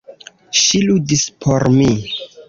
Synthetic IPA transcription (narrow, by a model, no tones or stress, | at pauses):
ʃiludispʰoɾmi